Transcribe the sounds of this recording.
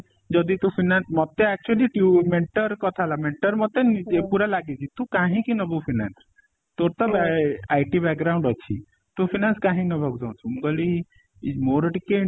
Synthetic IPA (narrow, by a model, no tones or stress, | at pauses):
d͡ʒɔd̪it̪ũpʰinansmɔt̪eɛk̚t͡ʃuəliʈumeɳʈɔɾkɔt̪ʰalameɳʈɔɾmɔt̪eniepuɾalaɡet͡ʃʰit̪ũkãɦĩkinɔbupʰina̰ns | t̪oɾt̪ɔbajʈibɛkɡɾaũɳɖɔt͡ʃʰḭ | t̪upʰinanskãɦĩnɔbʱɔɡd͡ʒãũt͡ʃʰumɡɔli | moɾʈike